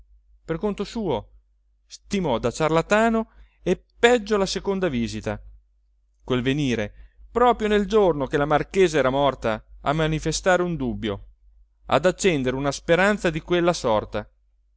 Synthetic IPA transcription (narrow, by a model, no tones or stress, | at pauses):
perkont̪osuːo | st̪imɔd̪at͡ʃarlat̪aːno | epːɛd͡ʒːolasekond̪aviːzit̪a | kwelveniːɾepɾɔːpɾjoneld͡ʒornokelamarkeːzeɛːɾamɔrt̪aa̰mːanifest̪aːɾeund̪ubːjo | a̰d̪at͡ʃːɛnd̪eɾeunaspeɾant̪sad̪ikwelːasɔrt̪a